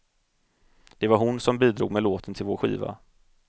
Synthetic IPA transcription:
d̪̥ɛvaɾɦʊnsɔmbiːd̪ɾṵːɡmɛloːt̪ʰənt̪ʰɪlvoːɾɧḭːva̰

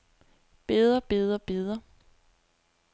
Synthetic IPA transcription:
b̥e̝ðˠɐb̥e̝ðˠɐb̥e̝ðˠɐ

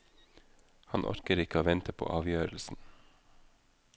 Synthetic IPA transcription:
hɑnʔɔ̰ɾkəɾɪkəoːʋɛnt̪ʰəpʰo̰ːʔɑːʋjøːɾl̩sn̩

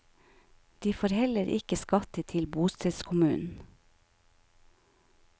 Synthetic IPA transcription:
d̪̥iːfoːɾhɛləɾʔɪ̰kəskɑt̪ət̪ʰɪlbuːst̪ɛskʰʊmʉ̰ːn̩

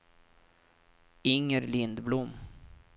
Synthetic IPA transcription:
ɪŋːəɾlɪnd̪blʊmː

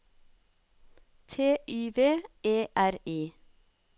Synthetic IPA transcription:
t̪ʰeːʔʉːʋeːʔeːʔæɾiː

